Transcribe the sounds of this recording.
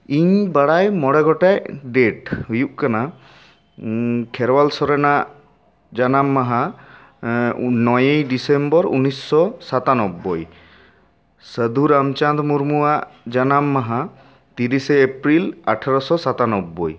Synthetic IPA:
iɲbaɽajmɔɽɛɡɔʈajɖeʈɦujuʔ̚kana | kʰɛɾwalsɔɾena | d͡ʒanamːaɦa | nɔjejɖisembɔɾṵnisːɔsat̪anɔbːɔj | səd̪ʱuɾamt͡ʃand̪muɾmuaʔd͡ʒanamːaɦa | t̪iɾiseepɾilaʈʰaɾɔsɔsat̪anɔbːɔj

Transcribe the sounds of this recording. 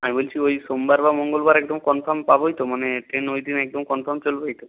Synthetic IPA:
amibolt͡ɕʰiojʃombaɾbamoŋɡolbaɾɛɡ̚d̪omkɔnpʰampaboɦjt̪omaneʈɾenojd̪inɛɡ̚d̪omkɔnpʰaɾmt͡ɕolboɦjt̪o

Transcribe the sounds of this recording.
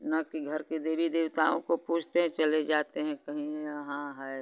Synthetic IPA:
nɐkiɡʱɐɾkid̪eːbid̪ɪʋt̪aːõkopuːt͡ʃʰt̪eɦɛ̃t͡ʃɐled͡ʒaːt̪eɦɛ̃kɐɦĩɦɛ̃ɦãɦɛe

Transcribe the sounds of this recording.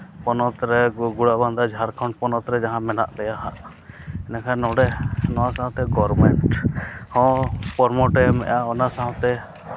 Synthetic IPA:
pɔnɔt̪ɾɛɡuɽabãnd̪ad͡ʒʱaɾkʰɔ̃ɳʈpɔnɔt̪ɾɛd͡ʒaɦãmɛna̰ʔbɛjaɦa̰ʔ | ɛnakʰanɔɖɛnɔwasãɦt̪ɛɡɔɾmɛɳʈhɔ̃pɔɾmɔʈɛmɛ̰ʔaɔnasaɦɔ̃t̪ɛ

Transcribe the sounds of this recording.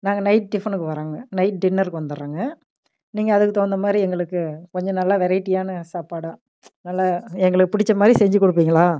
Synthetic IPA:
naːŋɡɐnɐɪʈ̚ɖɪfɐnɯkːɯʋɐɾaːŋɡɐnɐɪʈ̚ɖɪnːɐɾkɯʋɐnd̪ɯɾɾaːŋɡɐ | niːŋɡɐːðɯkːɯt̪oːnd̪ɐmaːd̪ɾiɛŋɡɐɭɯkːɯkɔɲd͡ʒɔ̃nɐlːaːʋɛɾɐɪʈːijaːnɯsaːpaːɽaː | nɐlːaːɛŋɡɐɭɯkːɯpɪɽɪt͡ʃːɐmaːd̪ɾisɛɲd͡ʒɯkɔɽɯp̬ːiːŋɡɐɭaː

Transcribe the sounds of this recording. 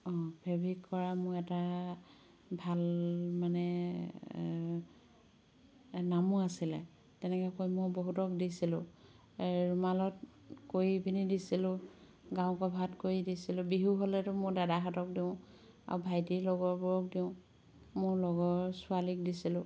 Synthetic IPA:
ɔbʰʱɛbʱikkːɔɹamʊɛta | bʱalmanɛ | namuasilɛ̰ | tɛnɛkɛkojmʊjboɦutɔk̚disilʊ̃ | ɹumalɔt | kojibinidisilʊ | ɡaʊ̃kɔbʱatkoɹidisilʊbiɦuɦolɛtʊmʊɹdadaɦatɔk̚diʊ̃ | a̰ɹubʱajtilɔɡɔɹbʊɹɔk̚diʊ̃ | mʊɹlɔɡɔɹsʊalik̚disilʊ̃

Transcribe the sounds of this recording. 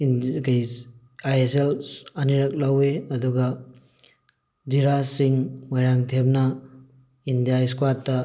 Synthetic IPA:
kaj | ajeselɐniɾɐk̚laweɐduɡɐ | diɾasiŋmajɾaŋtʰep̚nɐ | indijaskwatːɐ

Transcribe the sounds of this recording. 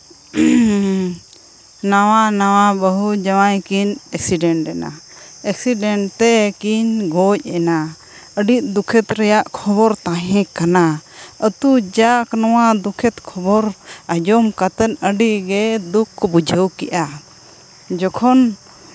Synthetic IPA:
nawanawabəɦud͡ʒawajkinɛksiɖɛɳʈɾɛna̰ | ɛksiɖɛɳt̪ɛkiɲɡɔc̚ɛna | əɖiʔ̚d̪ukʰɛt̪ɾɛjaʔkʰɔβɔɾt̪ãɦɛ̃kanaət̪ud͡ʒaknɔwad̪ukʰɛt̪kʰɔbɔɾad͡ʒɔmkat̪ənəɖiɡɛd̪ukʰːɔbud͡ʒʱəwkɛ̰ʔa | d͡ʒɔkʰɔn

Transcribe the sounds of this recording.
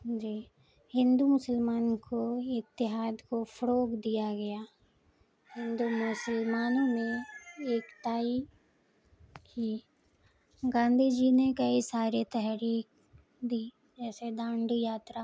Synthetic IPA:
d͡ʒiː | hɪ̃nd̪umʊsəlmaːnkʰoɪkt̪ɪɦaːd̪kofɐɾoːɡd̪ijaɡɐjaː | hɪ̃nd̪umʊsəlmaːnõmẽeːkʈ̪aːi | kiː | ɡãːnd̪ʱid͡ʒinekɐisaːɾet̪ɛɦɾiːk̚ | d̪iː | d͡ʒɛːsed̪ãːɳɖjaːt̪ɾa

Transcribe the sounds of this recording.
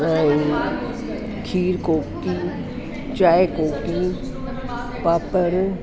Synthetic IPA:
aĩ | kʰiːɾkoːkːi | t͡ʃaːjekoːki | paːpəɾ

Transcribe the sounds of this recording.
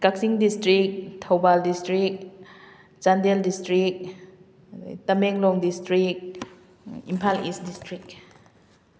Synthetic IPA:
kak̚siŋdistɾik̚tʰowbaldistɾik̚ | t͡ʃandeldistɾik̚ | t̪ɐmɛŋlɔŋdistɾik̚ | impʰalisdistɾik̚

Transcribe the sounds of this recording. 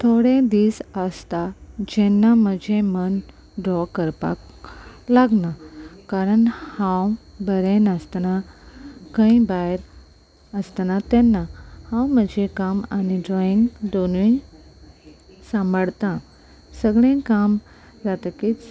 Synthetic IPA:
t̪ʰoɽẽd̪iːsəst̪ad͡ʑɛnːaməd͡ʑʱẽmən | ɖɾɔkəɾpa̰klaɡnakaɾəɳhãwbəɾẽnəst̪na | kə̃ĩbaɦɾ | əst̪nat̪ɛnːahãwməd͡ʑʱekamaniɖɾɔĩŋɡd̪onĩ | sãmbʱəɽt̪ã | səɡɭẽkam | d͡zat̪akit͡s

